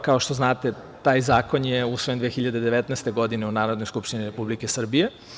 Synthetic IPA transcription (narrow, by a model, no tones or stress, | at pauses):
kaoʃt̪o̞znaːt̪e̞ | t̪aːjzaːko̞njeusʋojend̪ʋexiʎad̪e̞d̪e̞ʋet̪nɛːst̪eɡo̞d̪ineunaːɾod̪nojskupʃt̪iniɾe̞publikesr̩bije̞